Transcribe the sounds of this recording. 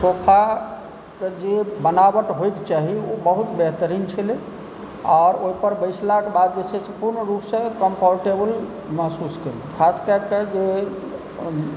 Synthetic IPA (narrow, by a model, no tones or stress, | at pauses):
sopʰa | ked͡ʒebənabəʈɦojkt͡ʃaɦiobəɦut̪beɦt̪əɾint͡ʃʰəle | ɔːɾoɦipəɾbəjslakebad̪̚d͡ʒesʰesəpuɾnəɾupsə̃kəmpʰɔɾʈebəl | məɦsuskəlekʰaskəked͡ʒe